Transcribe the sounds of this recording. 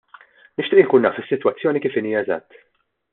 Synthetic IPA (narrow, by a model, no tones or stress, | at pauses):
nɪʃt̪ɪːʔɪnkuːnːɐːfɪsːɪt̪wɐt͡sːjɔːnikiːfiniːjɐɛzɐ̰t̪ː